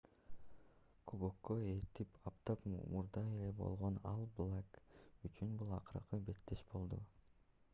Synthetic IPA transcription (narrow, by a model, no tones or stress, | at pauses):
kʰubokːoe̞t̪ipʰɑp̚t̪ɑpmuɾd̪ɑe̞le̞bo̞̰lˠʁo̞nɑlˠblˠakyt͡ʃynbulˠɑ̰qɯɾqɯbe̞t̪ːeʃbo̞lˠd̪ṵ